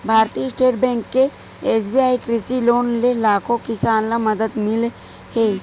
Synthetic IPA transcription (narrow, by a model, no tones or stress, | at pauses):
bʱaːɾt̪iːsʈeːʈbɛ̃ːŋkːe | eːs̬biaːikɾɪsiloːnlelaːkõkɪsaːnlamɐd̪əd̪mɪl | heː